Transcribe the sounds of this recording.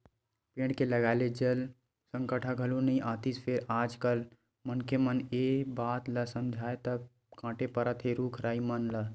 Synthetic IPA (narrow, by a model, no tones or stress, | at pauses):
pẽːɽɖkeləɡaːled͡ʒəl | sə̃ŋkəʈʰaɡʱəlunɐĩʔaːt̪ispʰeɾaːd͡ʒkəl | mənkʰemənebaːt̪ləsəmd͡ʒʱaːet̪əb | kãːʈepəɾət̪ɦeɾuːkʰɾaːimənlə